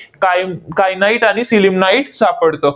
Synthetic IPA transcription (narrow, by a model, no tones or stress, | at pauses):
kajkajnaiʈaɽ̃isilimnaiʈsapəɽt̪o